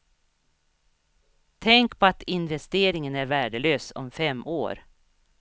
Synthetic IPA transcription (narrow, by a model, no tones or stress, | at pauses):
t̪ʰɛŋkpʰɔat̪ɪnvɛst̪eːɾɪŋənæɾvæːɖəløːsɔ̰mfɛmːo̰ːɾ